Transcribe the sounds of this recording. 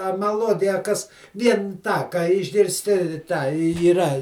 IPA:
ɐ mɐˈlˠuɔdʲɪjɛ ɐ ˈkɐs ˈʋʲiɛn ˈtɑː kɑː ɪʒʲɡʲɪrʲsʲˈtʲɪ ˈtɑː iːˈrɐ

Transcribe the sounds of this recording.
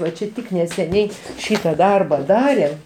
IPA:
ʋɐ ˈt͡ʃʲɛ ˈtʲɪk nʲɛsʲɛˈnʲɛɪ ˈʃʲiːtɐ ˈdɐrbɐ ˈdɑːrʲeːm

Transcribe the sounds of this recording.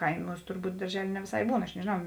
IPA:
ˈkɐɪmuːs tʊrˈbuːt dɐrʲˈʒʲæːlʲeː nʲɛ ʋʲeːˈsɐɪ ˈbuːn ɐʃ nʲɛʒʲeːˈnɐʊ

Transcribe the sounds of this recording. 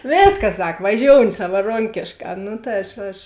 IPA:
ˈʋʲeːskɐs ˈsɐk ʋɐˈʒʲoːʊnʲɪ sɐʋɐˈroːŋʲkʲeːʃˌkɑː ˈnʊ tɐ ˈɐʃ ɐʃ

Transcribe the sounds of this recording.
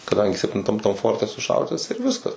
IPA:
kɐˈdɐŋʲɡʲɪ sʲɛpʲtʲɪnˈtɐm tɐm ˈfoːrʲtʲɛ sʊˈʃɐʊdʲɪtɐs ɪr ˈʋʲɪskɐs

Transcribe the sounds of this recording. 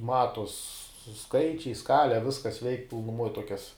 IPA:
ˈmɑːtuɔs ˈskɐɪt͡ʃʲɛɪ ˈskɑːlʲɛ ˈʋʲɪskɐs ʋʲɛɪkʲ pʲɪlˠnʊˈmuɔj ˈtuɔkʲɛs

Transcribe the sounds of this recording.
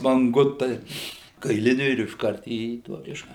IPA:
mɐŋˈɡʊtɐɪ kɐɪˈlʲɪnʲʊ ɪr ɪʃˈkɐrt iː ˈtuɔ ˈkʲɪʃɐ

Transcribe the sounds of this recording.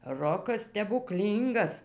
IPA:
ˈroːkɐs sʲtʲɛbʊˈklʲiːŋɡɐs

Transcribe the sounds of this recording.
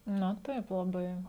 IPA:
nɐ ˈtɐɪp lˠɐˈbɐɪ

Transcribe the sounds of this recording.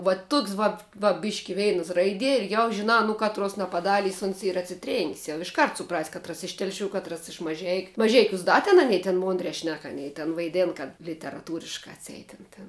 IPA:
ʋɐ ˈtʊks ˈʋɐt ʋɐ ˈbʲɪʃʲkʲɪ ˈʋʲɛɪnɐs ˈrɐɪdʲiɛ ɪr jɛʊ ʒʲɪˈnɑː nʊ ˈkɑːtruɔs nɐpɐˈdɑːlʲiːs ʊns ˈiːrɐ ɐtʲsʲɪˈtʲrʲeːŋʲkʲsʲ jɛʊ ɪʃˈkɐrt sʊˈprɐsʲ ˈkɑːtrɐs ɪʃ ˈtʲɛlʲˌʃʲuː ˈkɑːtrɐs ɪʃ mɐˈʒʲɛɪkʲʊ mɐˈʒʲɛɪkʲuːs ˈdɐ tʲɛn ɐˈnʲɛɪ tʲɛn ˈmoːnʲdʲrʲɛː ˈʃʲnʲɛk ɐˈnʲɛɪ tʲɛn ʋɐɪˈdʲeːn kɐt lʲɪtʲɛrɐˈtuːrʲɪʃkɑː ɐtʲˈsʲɛɪt ˈtʲɪn tʲɪn

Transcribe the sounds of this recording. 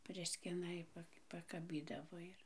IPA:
ˈpʲrʲɪsʲkʲɪnɐ ɪ ˈpɐk pɐkɐˈbʲiːdɐʋoː ɪr

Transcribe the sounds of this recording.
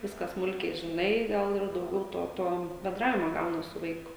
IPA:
ˈʋʲɪskɑː ˈsmʊlʲkʲɛɪ ʒʲɪˈnɐɪ ˈɡɐlˠ ɪr dɐʊˈɡʲɛʊ ˈtoː ˈtoː bʲɛnˈdrɑːʋʲɪmoː ˈɡɐʊnɐs sʊ ˈʋɐɪkʊ

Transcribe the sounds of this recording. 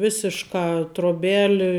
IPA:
ˈʋʲɪsʲɪʃkɐ troːˈbʲæːlʲɪ

